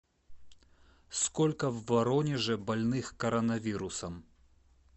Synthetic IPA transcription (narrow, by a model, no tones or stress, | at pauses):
skɔlʲkɐvːɐɾɔnʲɛʐɛbɐlʲnɨxkɐɾɐnɐvʲiɾusɐm